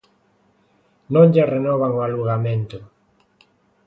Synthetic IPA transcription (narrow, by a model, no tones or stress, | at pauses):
nõŋʎerenɔβaŋoaluɣamẽnt̪ʊ